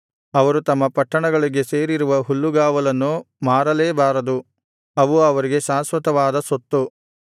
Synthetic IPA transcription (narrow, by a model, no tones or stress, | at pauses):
ɐʋɐɾut̪ɐmːɐpɐʈːɐɳɐɡɐɭiɡe̞se̞ːɾiɾuʋɐɦulːuɡaːʋɐlɐnːu | maːɾɐleːbaːɾɐd̪u | ɐʋuɐʋɐɾiɡe̞ʃaːsʋɐt̪ɐʋaːd̪ɐsot̪ːu